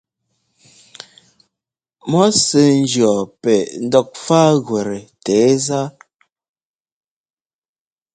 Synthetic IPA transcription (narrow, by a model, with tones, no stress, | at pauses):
mɔ˨˦sə˨n̩˦d͡ʒjɔ˨pɛ˨n̩˦dɔ˦˨k̚fa˦ɣwɛ˨ɾɛ˨tɛː˨˦za˦